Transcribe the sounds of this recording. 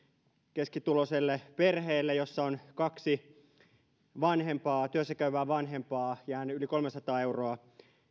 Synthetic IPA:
keskit̪uloselːeperheːlːejosːɑonkɑksi | ʋɑnhempɑːt̪yøsːækæyʋæːʋɑnɦempɑːjæːnylikolmesɑt̪ɑːeuroɑ

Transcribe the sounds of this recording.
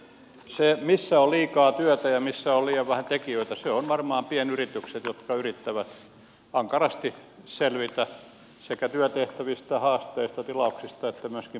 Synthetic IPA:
semisːæolliːkɑːt̪yœt̪æjɑmisːæolliːjɑʋʋæhænt̪ekiøit̪æseonʋɑrmɑːmpienyrit̪ykset̪jot̪kɑyrit̪ːæʋæt̪ | ɑŋkɑrɑst̪i | selʋit̪æ | sekæt̪yøt̪eht̪æʋist̪ɑhɑːst̪eist̪ɑt̪ilɑuksist̪ɑet̪ːæmyøskim

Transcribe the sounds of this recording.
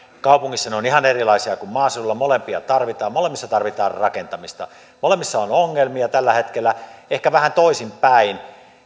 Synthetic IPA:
kɑˑupuŋːisːɑneonihɑnerilɑisiɑkummɑːsilulːɑmolempiɑt̪ɑrʋit̪ɑːmmolemːisːɑt̪ɑrʋit̪ɑːrrɑkent̪ɑmist̪ɑ̰ | molemːisːɑonoŋːelmiɑt̪ælːæhet̪kelːæehkæʋæhænt̪oˑisimpæin

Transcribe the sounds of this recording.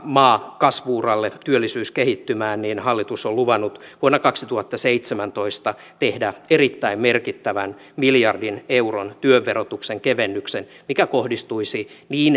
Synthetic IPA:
mɑːkɑsʋuːrɑlːet̪yølːisyːskehit̪ːymæːnninhɑlːit̪usolluʋɑnːut̪ʋuonːɑkɑksit̪uhɑt̪ːɑseit̪semænt̪oist̪ɑ | t̪ehdæerit̪ːæimmerkit̪ːæʋæn | miljɑrdineuront̪yøʋːeɾot̪ukseŋkeʋenːyksen | mikækohdist̪uisiniːn

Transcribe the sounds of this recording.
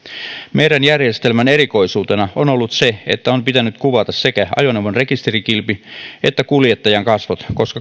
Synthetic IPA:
mejɾænjærjest̪elmæne̞ɾiko̞isuːt̪enɑonolːut̪seḛt̪ːæompit̪ænyt̪kuʋɑt̪ɑsse̞kæɑ̰joneʋonrekist̪erikilpiet̪ːækuljet̪ːɑjɑŋkɑsʋot̪ko̞skɑ

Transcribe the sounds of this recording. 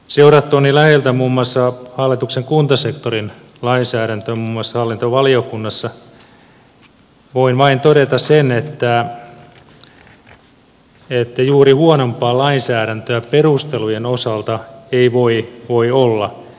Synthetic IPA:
seuɾɑt̪ːoːnːilæhelt̪æmuːmːuɑsːɑhɑlːit̪ukseŋkunt̪ɑsekt̪orin | lɑinsæːɾænt̪ømuːmːuɑsːɑhɑlːint̪oʋɑliokunːɑsːɑ | ʋoinʋɑint̪oɾet̪ɑssenet̪ːæ | et̪ːæjuːrihuonompˑɑːlɑinsæːɾænt̪øæperust̪elujenosɑlt̪ɑeiʋoiʋoiolːɑ

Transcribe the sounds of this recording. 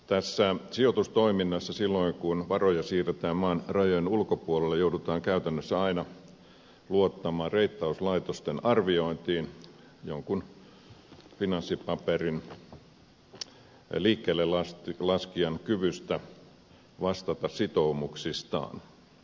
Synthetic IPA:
t̪æsːæsiot̪ust̪oiminːɑsːɑsilːoiŋkunʋɑrojɑsiːret̪æːmmɑːnrɑjojenulkopuolelːejoudut̪ɑːŋkæyt̪ænːøsːæɑinɑ | luot̪ːɑmɑːrreit̪ːɑuslɑit̪ost̪enɑrʋioint̪iːn | joŋkun | finɑnsːipɑperin | liːkːeːlːelɑst̪lɑskiɑnkyʋyst̪æ | ʋɑst̪ɑt̪ɑssit̪oumuksist̪ɑ̰ːn

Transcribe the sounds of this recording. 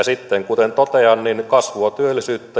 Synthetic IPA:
sit̪ːeŋkut̪ent̪ot̪eɑnninkɑsʋuɑt̪yølːisyːt̪ːæ

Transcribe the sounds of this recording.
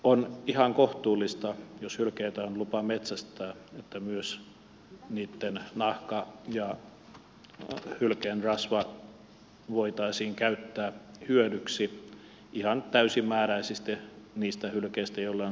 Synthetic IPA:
onihɑŋkoht̪uːlːist̪ɑjoshylkeit̪æonlupɑmet̪sæst̪æːet̪ːæmyøs | niːt̪ːennɑhkɑjɑ | hylkenrɑsʋɑ | ʋoit̪ɑisiːŋkæyt̪ːæːhyødyksi | ʔihɑnt̪æysimːæːɾæisist̪eniːst̪æhylkeist̪æjolːe

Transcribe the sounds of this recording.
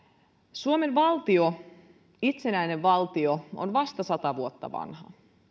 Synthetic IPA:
suomenʋɑlt̪io | it̪senæineʋʋɑlt̪ioo̰nʋɑst̪ɑsɑt̪ɑʋuot̪ːɑ̰ʋɑ̰nhɑ̰

